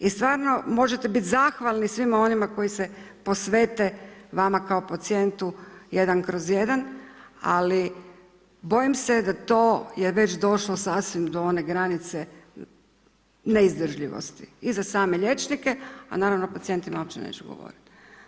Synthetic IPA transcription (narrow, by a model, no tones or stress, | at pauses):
ist̪ʋaːɾno̞mo̞ʒet̪ebit̪zaxʋalˠnisʋimao̞nimako̞jisepo̞sʋe̞ːt̪eʋamakao̞pat̪sie̞nt̪ujed̪ankɾozje̞d̪ana̰li | bo̞jimsed̪at̪o̞ːjeʋe̞t͡ɕd̪o̞ʃlˠosasʋimd̪oo̞ne̞ɡɾanit̪se | neizd̪r̩ʒʎiʋo̰st̪i̥izasaːmeʎe̞t͡ʃnike̞a̰naːɾaʋno̞pat̪sije̞nt̪imaopt͡ɕenḛːt͡ʃuɡo̰ʋo̰ɾit̪